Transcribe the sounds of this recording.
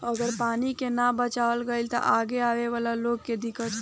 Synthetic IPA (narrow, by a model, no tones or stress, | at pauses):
əɡəɾpanikenabət͡ʃaəlɡəilt̪ə̰ʔaɡeaʋeʋalaloɡked̪ɪkət͡ʃ